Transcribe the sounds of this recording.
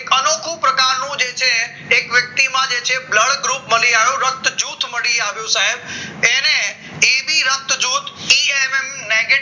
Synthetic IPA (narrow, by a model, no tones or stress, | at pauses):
ekənokʰũpɾəkaɾnũd͡ʒet͡ʃʰeː | kʋjək̚t̪imãd͡ʒet͡ʃʰebləɽɡɾupməliaʋjũɾət̪d͡ʒuːt̪ʰməɽiaʋjũsaɦebene | ibʱiɾət̪ːd͡ʒut̪ʰiememneɡe